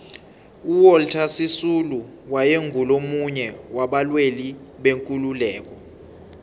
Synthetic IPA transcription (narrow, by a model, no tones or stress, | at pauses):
uwɔltʰasisulu | wajeŋɡʱulomuɲɛwaɓalweliɓeŋkʼululɛːk̬ʼɔ